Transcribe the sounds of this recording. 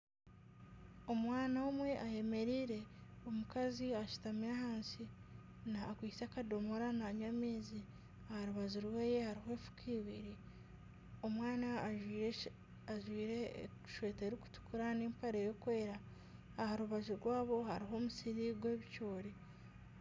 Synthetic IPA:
o̞mwaːnaomwe̞ʔaje̞me̞ɾiːɾe̞omukaziaʃu̥tamiɾahaːnsi | naːkwiːsakado̞moɾanaɲameːzi | ahaɾuβazuɾweːjehaɾiɦoeːfu̥kʰiːβiɾi | o̞mwaːna | aʒwiːɾe | ʃwe̞ːteːɾiku̥tu̥kuɾaneːmpaɾejo̞kwe̞ːɾaː | haɾuβazuɾwaːβo̞haɾiɦo̞ːmusiɾiɡwe̞ːβicoːɾi

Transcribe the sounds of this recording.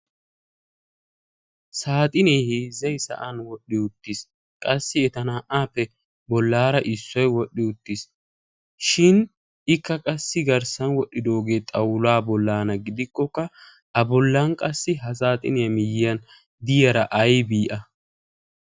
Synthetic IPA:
saːt̪ʼɪneːhɪzɐjsɐ̰ʔɐnwɔɗːɪʊt̪ːɪs | kʼɐsːɪɛt̪ɐnaʔaːpːɛ | bɔlːaːɾɐʔɪsːɔjwɔɗːɪʊt̪ːɪs | ʃɪn | ɪkːɐkʼɐsːɪɡɐɾsɐnwɔɗːɪd̪o̞ːɡe̞ːt̪ʼɐwlaːbɔlːaːnɐɡɪd̪ɪkːɔkːɐ | ɐbɔlːɐnkʼɐsːɪɦɐs̬aːt̪ʼɪneɐmɪjɪɐn | d̪ɪjɐɾɐʔɐjbiːʔɐ

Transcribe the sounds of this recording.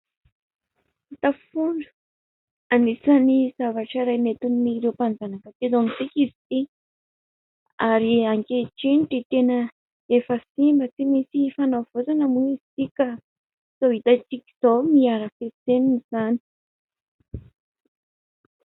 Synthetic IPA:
t̪afuɳɖ͡ʐu | anisanizavaʈ͡ʂaɾajmet̪unmiɾewpand͡zanakət̪ed̪onit͡sikizi̥t̪i | aɾiaŋkeʈ͡ʂiɳʈ͡ʂit̪enə | efəsimbət͡simisifanawv̥ot͡sanəmuizi̥t̪ika | z̥oɦit̪at͡sikʲi̥z̥omiaɾəfeseniniz̥ani̥

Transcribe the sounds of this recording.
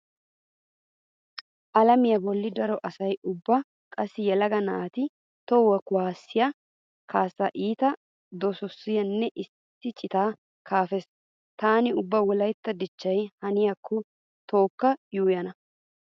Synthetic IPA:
ʔɐlɐmɪjɐbɔlːɪd̪ɐɾɔʔɐsɐjʊbːɐ | kʼɐsːɪjɛlɐɡɐnɐːt̪ɪ | t̪ɔwɐkʊwaːsːɪjɐ | kʰaːsːɐʔiːt̪ɐ | d̪ɔsɔsːɪjɐnːɛʔɪ | t̪ːɪt͡ʃʼɪt̪aː | kʰaːfɛs | t̪aːnɪʊbːɐwɔlɐjt̪ːɐd̪ɪt͡ʃːɐjhɐnɪjɐkʰːɔ | t̪o̞ːkːɐjuːjɐnɐ

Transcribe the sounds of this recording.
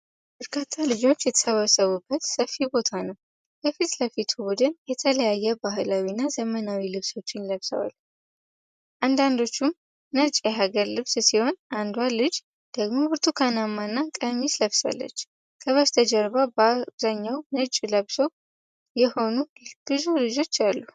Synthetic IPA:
bəɾkʰat̪ʰːalɨd͡ʒo̞t͡ʃːjɛt̪ʰə̥səβəsəβubːət̪səfibo̞t̪ʰanəw | kəfit̪ləfit̪ʰubud̪ɨnjɛt̪ʰələjajːɛbaɦɨlawinːazəmənawilɨβso̞t͡ʃːɪnləβsə̰wa̰l | ʔand̪and̪o̞t͡ʃːum | nət͡ʃʼjɛɦaɡəɾlɨβssiho̞nʔand̪walɨd͡ʒ | d̪̥əɡmo̞bɨɾt̪ʰukʰanamːanːakʼəmisləβsa̰lːə̰t͡ʃː | kʰəβəst̪ʰəd͡ʒəɾβababzaɲːawnɨt͡ʃʼləβsəw | jɛho̞nuɡ̥ɨzulɨd͡ʒo̞t͡ʃːalːu

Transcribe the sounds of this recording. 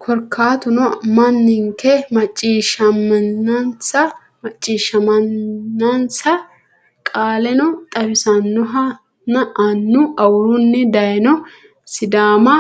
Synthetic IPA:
kʰɔɾkʰːaːt̪ʊnɔmɐnːɪŋkɛmɐt͡ʃʼːiːʃɐmːɐnːɐnsɐ | mɐt͡ʃʼːiːʃːɐmɐnːɐnsɐ | kʼaːlɛnɔt̪ʼɐbɪsɐnːɔɦɐ | nɐʔɐnːʊɐwʊɾʊnːɛd̪ɐjnɔ | sɪd̪aːmɐ

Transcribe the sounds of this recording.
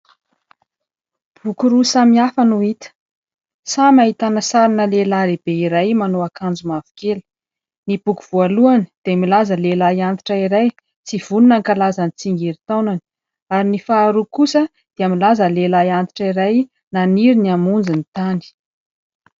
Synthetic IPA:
b̥ukuɾusamiafanuit̪ə̥ | samaɦit̪anəsaɾinəlelaɾeb̥eiɾajmanoakand͡zumavu̥kelə̥ | nib̥ukuv̥ualuani̥d̪̥emilazəlelaiant̪i̥ʈ͡ʂaiɾaj | t͡siv̥ununaŋkalazanit͡siŋɡeɾit̪awnani̥ | aɾinifaːɾukusə | d̪̥eamilazəlelajant̪i̥ʈ͡ʂiɾaj | naniɾiniamund͡zinit̪ani̥

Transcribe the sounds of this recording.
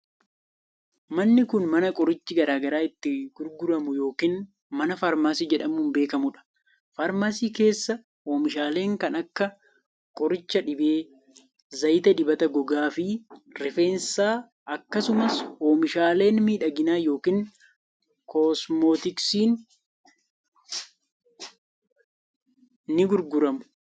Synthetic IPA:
mɐnːɪkʊnmɐnɐkʼɔɾɪt͡ʃːɪɡɐɾaːɡɐɾaːɪt̪ːɪɡ̥ʊɾɡʊɾɐmʊjo̞ːkiːn | mɐnɐfɐɾmaːsiːd͡ʒɛᶑɐmːmbe̞ːkɐmʊᶑɐ̥ | faːɾmaːsiːke̞ːsːɐ | hoːmɪʃaːle̞ːŋkɐnɐkːɐ | kʼɔɾɪt͡ʃːɐᶑɪbe̞ː | zɐjt̪ɐᶑɪbɐt̪ɐɡɔɡaːfɪɾɛfe̞ːnsaː | ʔɐkːɐsʊmɐsho̞ːmɪʃaːle̞ːnmiːᶑɐɡɪnaːjo̞ːkiːn | koːsmoːt̪ɪksiːn | ɪɡʊɾɡʊɾɐmʊ̥

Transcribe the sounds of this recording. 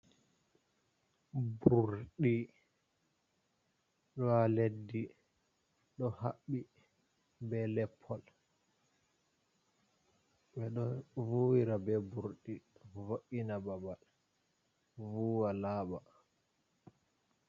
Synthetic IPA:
buɾɗi | ɗɔaledːi | ɗɔhaɓːi | bɛlɛpʰːɔl | ɓɛɗɔvuwiɾabɛbuɾɗivoʔinababal | vuːwalaːba

